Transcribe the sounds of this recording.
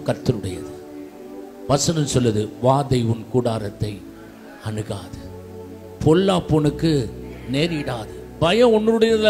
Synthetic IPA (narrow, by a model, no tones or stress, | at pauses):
kɐɾt̪ːɯɾɯɽɐjɐ̰ðɯ | ʋɐsɐnɐnsɔlːɐðɯʋaːðɐɪʋʊnkuːɽaːɾɐt̪ːɐɪ | ɐnɯɣaːðɯ | pʰɔlːaːpːɔnɯkːɯneːɾɪɽaːðɯ | bɐjɐ̃ɔnːɯɾɯɽɐjɐð